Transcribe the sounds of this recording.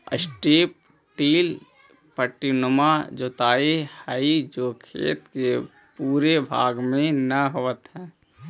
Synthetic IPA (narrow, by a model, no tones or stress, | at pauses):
ə̰sʈiːp̚ | ʈiːl | pəʈːinomad͡ʒoːt̪aːihaid͡ʒoːkʰḛːt̪ke | puːɾebʱa̰ːɡmẽnəɦoʋət̪ɦɛ̃ː